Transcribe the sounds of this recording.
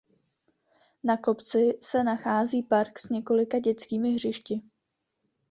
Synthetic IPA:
nako̞pt͡sɪsɛnaxaːziːpaɾksɲɛko̞lɪkaɟɛt͡skiːmɪɦr̝ɪʃcɪ

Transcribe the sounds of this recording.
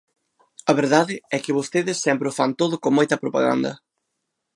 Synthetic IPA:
ɐβeɾðaðɪɛkɪβost̪eðɪsːɛmpɾʊfant̪oðʊkoŋmojt̪ɐpɾopa̰ɣa̰nd̪ɐ̰

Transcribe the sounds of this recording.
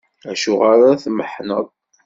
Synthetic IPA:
æʃuʁaɾaθməħnəðˤ

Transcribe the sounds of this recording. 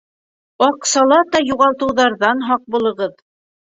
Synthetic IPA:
ɑqsɑlˠɑt̪ɑjuʁɑlˠt̪ɤ̆wðɑɾðɑnɦɑq̚bulˠɤ̆ʁɤð

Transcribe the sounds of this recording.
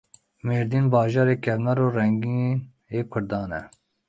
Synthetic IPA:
meːɾd̪iːnbɑːʒɑːɾeːkʰɛvnɛɾoːrɛŋɡin | eːkʰʊɾd̪ɑːnɛ̰

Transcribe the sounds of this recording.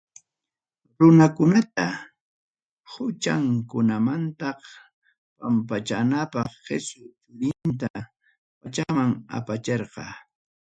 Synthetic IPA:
ɾʊnakʊnat̪a | hʊt͡ʃaŋkʊnamant̪ɑχ | pampat͡ʃanapɑχːḛsʊt͡ʃʊɾɪnt̪a | pat͡ʃamaŋa̰pat͡ʃeɾqɑ̰ː

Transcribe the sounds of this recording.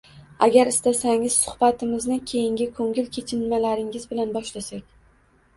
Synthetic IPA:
aɡʲaɾɪst̪asaŋɪz̥sʊ̥hbat̪ʰɪmɪznɪkʲʰe̞jɪŋɡʲɪkʰɵŋʲɪlkʲʰe̞t͡ʃʰɪnmalaɾɪŋɪzbɪlanbɒʃlasakʲ

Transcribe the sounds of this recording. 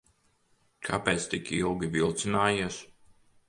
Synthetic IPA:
kʰapɛːt̪st̪ikilˠɡʲivilˠt̪sinaːjiɛs

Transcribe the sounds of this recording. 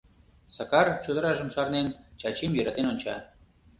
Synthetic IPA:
sɑkɑrt͡ɕod̪ə̆ɾɑʒə̆mʃɑrnent͡ɕɑt͡ɕemjøɾɑt̪enonʲt͡ɕɑ̰

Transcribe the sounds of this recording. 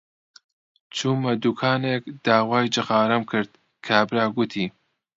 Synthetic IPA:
t͡ʃʰumɐd̪ukʰaːneːkd̪̥aːwaːjd͡ʒɨxaːɾɐmkʰɨɾd̪̥̚ | kʰabɾaːɡʊt̪ʰiː

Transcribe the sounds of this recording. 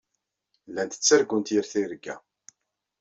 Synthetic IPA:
lːænt̪ə̥t͡sːəɾɡunt̪jiɾθiɾəɡːæ̰

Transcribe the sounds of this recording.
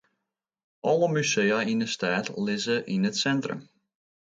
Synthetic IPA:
ʔɔlˠəmyseːainəstaːtlɪzəʔinətsɛntrə̰m

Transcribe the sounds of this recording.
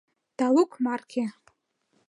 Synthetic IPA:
d̥alukʰmarɡʲe

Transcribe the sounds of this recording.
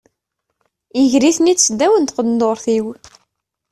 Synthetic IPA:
iʝɾiθnit͡ssəd̪ːæwənt̪qəd̪nd̪oɾˤθiw

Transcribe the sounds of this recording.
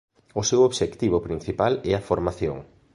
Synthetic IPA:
ʊsewoβʃekt̪iβʊpɾin̟θipalɛɐfoɾmaθjo̰ŋ

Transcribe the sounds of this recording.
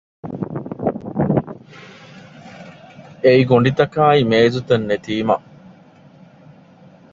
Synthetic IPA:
eiɡoɳɖit̪ɐkaːimeːzut̪ɐnːet̪iːmɐ̰

